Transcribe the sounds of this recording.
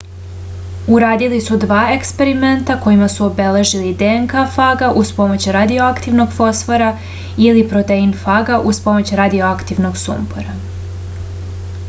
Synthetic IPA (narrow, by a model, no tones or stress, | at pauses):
uɾaːd̪ilisud̪ʋaːe̞kspe̞ɾime̞nt̪ako̞jimasuo̞be̞le̞ʒilid̪eŋkafaːɡaʔuspo̞mo̞t͡ɕuɾad̪io̞akt̪iʋno̞ɡfo̞sfoɾa | ilipɾot̪einfaɡaʔuspo̞mo̞t͡ɕɾad̪io̞akt̪iʋno̞ɡsṵmpoɾa